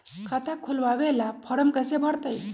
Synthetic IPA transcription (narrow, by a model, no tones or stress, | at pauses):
kʰat̪ʰakʰulʋaʋelapʰəɾəmkəsebʱəɽt̪əj